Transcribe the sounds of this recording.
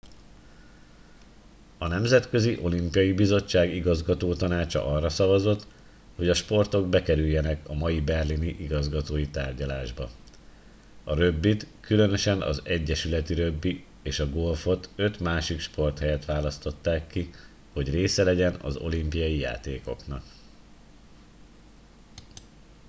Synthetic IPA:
ɒnɛmzɛt̪kø̞ziʔo̞limpijɒjibizo̞t͡ʃːaːɡiɡɒzɡɒt̪oːt̪ɒnaːt͡ʃɒ̰ʔɒrːɒsɒvɒzot̪ː | ho̞ɟɒʃpo̞rt̪o̞ɡ̚bɛkɛɾyjːɛnɛkɒmɒjibɛrliniʔiɡɒzɡɒt̪oːjit̪aːrɟɒlaːʒbɒ | ɒɾøbːit̪kylø̞nø̞ʃɛnɒ̰zɛɟːɛʃylɛt̪iɾø̞bːi | eːʃɒɡo̞lfo̞t̪ø̞t̪maːʃikʃpo̞rt̪hɛjɛt̪ʋaːlɒst̪o̞t̪ːaːkːi | ho̞ɟreːsɛlɛɟɛnɒ̰zo̞̰limpijɒjija̰ːt̪eːko̞knɒk

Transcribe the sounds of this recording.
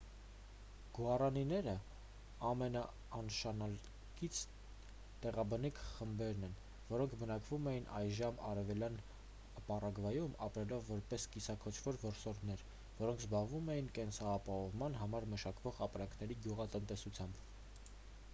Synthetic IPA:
ɡ̥uɑrɑninɛɾə | ɑmɛnɑː | nʃɑnɑl | kit͡sʰ | t̪ɛʁɑbənikʰχəmbɛɾnɛn | vɔɾɔŋkʰbənɑkvumɛjinʔɑ̰jʒɑmɑ̰ɾɛvɛljɑn | pɑrɑɡvɑjumɑpɾɛlɔvːɔɾpɛskisɑkʰɔt͡ʃʰvɔɾvɔɾsɔɾd̪nɛɾ | vɔɾɔŋkʰzbɑʁvumɛjinkɛnsɑːpɑhɔvmɑnɦɑmɑɾməʃɑkvɔʁɑpɾɑŋkʰnɛɾiɡjuʁɑt̪ənt̪ɛsut͡sʰjɑmb

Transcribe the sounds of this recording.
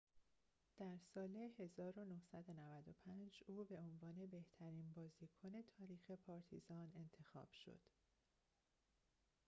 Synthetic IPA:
d̪̥æɾsɒːlehe̞zɒːɾo̞nohsæd̪onævæd̪o̞pʰænd͡ʒuːbe̞o̞nvɒːne̞be̞ht̪ʰæɾiːnbɒːziːkʰone̞t̪ʰɒːɾiːxe̞pʰɒːɾt̪ʰḭzɒːne̞nt̪ʰe̞xɒ̰ːb̥ʃo̞̰d̪̥

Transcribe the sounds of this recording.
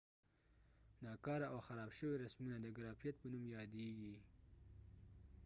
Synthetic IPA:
nɑkɑɾaawxaɾɑbʃəwiɾasmunad̪əɡaɾɑfijat̪̚pənumjɑd̪eɡi

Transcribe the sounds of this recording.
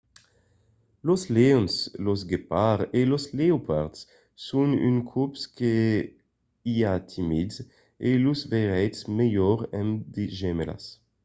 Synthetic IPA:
losleɔnslosɡepaʁelosleopʰaʁt̪sː | uny̰nkʰupske | iat̪ʰimidz | elusveʁɛjt̪smejɔʁɛmd̪eʒɛmela̰s

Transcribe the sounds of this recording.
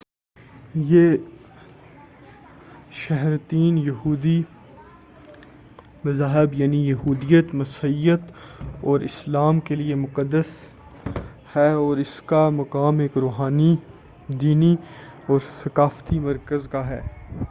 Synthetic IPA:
jeː | ʃɛɦɾt̪iːnjɐɦuːd̪i | mɐzaːɦɪbjaːnijɐɦuːd̪ijət̪mɐsəijət̪ɔːɾɪslaːmkeliemʊqəd̪ːəs | hɛɔːɾɪskamɐkaːmeːkɾoːɦaːni | d̪iːniɔːɾsɐkaːft̪imɐɾkəzkaɦɛ̰ː

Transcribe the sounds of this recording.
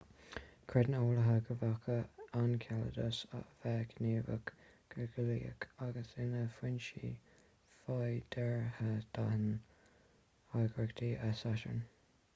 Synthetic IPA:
kʰɹɛd̪noːləɦəɡəvakʰəankʰalə̰d̪əsə̰vɛːɡəneːvə̰kɡ̥əɡəliːə̰kaɡəsɪnəfwɪnʃḭː | fajd̥̪ɛɹhəd̪̥ahən | hajɡəɹəkd̪ʰiːʔəsaʃə̰n

